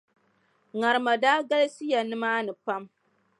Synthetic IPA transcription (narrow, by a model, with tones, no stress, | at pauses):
ŋa˨ɾɨ˨ma˨daː˦ɡa˦lsi˦ja˨nɨ˦maː˦nɨ˨pa˦m